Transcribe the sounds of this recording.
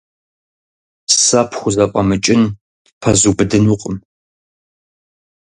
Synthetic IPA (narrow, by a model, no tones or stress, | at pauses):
sɐpʰχʷʊzɐpʼɐmɨt͡ʃʼɪn | pʰɐzubɨdɨnuqʼəm